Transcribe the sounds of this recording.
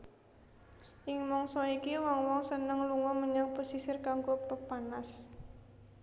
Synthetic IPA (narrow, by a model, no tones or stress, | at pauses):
ʔɪŋmɔŋsɔikiwɔŋwɔŋsənəŋluŋɔməɲaŋposisɪrkaŋɡopəpanas